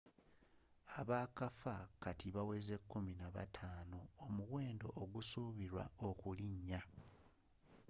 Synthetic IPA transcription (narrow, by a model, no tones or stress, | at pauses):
aβaːkafakatiβawe̞ze̞kːuminaβa̰tʰaːnoomuɣwe̞ːndo̞̰ʔːɡusuːβiɾwa̰okuliɲːa